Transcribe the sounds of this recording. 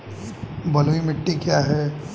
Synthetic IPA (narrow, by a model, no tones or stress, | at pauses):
bɐlʋimɪʈːikjaɦɛː